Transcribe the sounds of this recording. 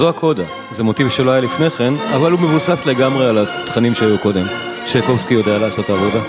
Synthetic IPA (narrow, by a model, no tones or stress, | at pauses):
zoakʰo̞da | zemo̞tivʃolajalifne̞χe̞navalume̞vusasle̞ɡamʁealat̪χanimʃeajuko̞de̞m | ʃeko̞vskijo̞dealeaːso̞taːvo̞da